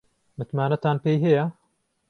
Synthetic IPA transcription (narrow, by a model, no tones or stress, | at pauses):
mɨt̪maːnɐt̪aːnpejɦɛjɐ